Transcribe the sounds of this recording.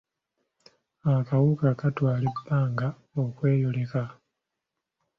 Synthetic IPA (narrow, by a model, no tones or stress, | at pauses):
akawukakatwaːlibːaːŋɡa | okwe̞ːjole̞ka